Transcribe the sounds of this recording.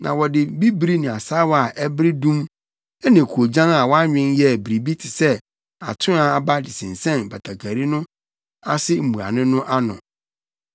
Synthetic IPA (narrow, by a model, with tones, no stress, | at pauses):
nã̰˨wɔ˨dɪ˨bi˦bɾi˦nɪ̃˨a˨saː˦wa˨ʔɛ˦bɪ˦ɾɪ˦dũ˦m | ɛ˦nɪ̃˨kʰu˨o˨d͡ʑã˦na˨wɔ˦a˦ɲᶣɪ̃˦njɛ˦˨bi˨ɾi˨bi˦tʰɪ˨sɛ˦ | a̰˨tʰʊ̃˦a˨a˨ba˦dɪ˨sɪ̃˨n̩˨sɛ̃˦˨nba˨tʰa˨ɡa˨ɾi˦nʊ̃˦ | a˦sɪ˦m̩˨mũ˨a̰˨nɪ̃˦nʊ̃˦ʔa˦nʊ̰̃˨